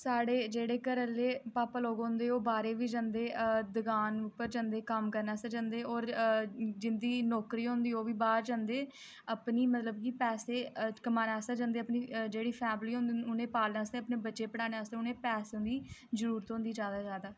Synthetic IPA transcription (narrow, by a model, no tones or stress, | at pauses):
saːɽeːd͡ʒeːɽeːkəɾəlːeːpaːpaloːɡond̪eːoːbaːɾeːʋiːd͡ʒãːnd̪eːd̪əɡaːnʊpːəɾd͡ʒãnd̪eːkəmkəɾnaːsəd͡ʒãːnd̪eːɔːɾ | d͡ʒɪnd̪iːnɔːkɾiːõːnd̪iːoːʋiːbaːɾd͡ʒãːnd̪eː | əpniːmət̪ləb̚kipɛːseːkəmaːnaːsaːd͡ʒãnd̪eːəpniːd͡ʒeːɽiːpʰɛːmliːɦõnd̪ʊnẽːpaːlnaːst̪eːəpneːbətːʃeːpəɽaːneːast̪ẽːʊnẽːpɛːsɦʊ̃nd̪iːzəɾuːɾət̪ɦõnd̪iːd͡ʒjaːd̪aːzjaːd̪aː